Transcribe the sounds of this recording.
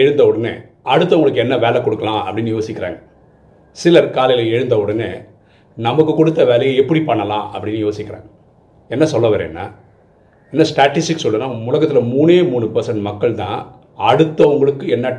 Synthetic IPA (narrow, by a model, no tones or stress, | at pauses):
ɛɻɯnd̪ɐɔɽɐnḛː | ɐɽɯt̪̬ːɐʋɐʊŋɡɐɭɯkːɛnːɐʋeːlɛkːɔɽɯkːɐlãːʔɐpːɐɽɪnːɯjoːsɪkːɪɾa̰ːŋɡɐ | sɪlɐɾkaːlɐjɪlɐɛɻɯnd̪ɐʊɽɐnḛː | nɐmɐkːɯkɔɽɯt̪ːɐʋeːlɐjɐ̃ɛpːɐɽipɐɳːɐlã̰ːʔɐpːɐɽɪnːɯjoːsɪkːɪɾa̰ːŋɡɐ | ɛnːɐsɔlːɐʋɐːɾḛːnːa̰ː | ɛnːɐsʈaːʈːɪsʈɪksɔlːɯnaːʊlɐɣɐt̪ːɪlɐmuːneːmuːnɯpɐɾsɐɳʈmɐkːɐɭt̪ã̰ː | ɐɽɯt̪ːɐʋʊŋɡɐɭɯkːɯɛnːɐ